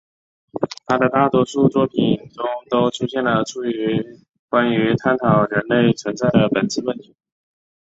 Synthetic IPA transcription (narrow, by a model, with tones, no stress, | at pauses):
t̪ʰa˥d̪ə˨t̪a˥˩t̪wɔ˧˥ʂu˥˩t͡swɔ˥pʰi˨˩nʈ͡ʂʊ˥ŋt̪o˥ʊʈ͡ʂʰu˥ɕjɛ˥˩nlə˩ʈ͡ʂʰu˥y˧˥ | kwa˥ny˧˥t̪ʰa˥nt̪ʰɑ˨˩ʊɻə˧˥nle˥˩ɪt͡sʰwə˧˥nt͡sa˥˩ɪd̪ə˩pə˨˩nt͡sʰɹ̩˥˧wə˥˩nt̪ʰi̥˧˥˧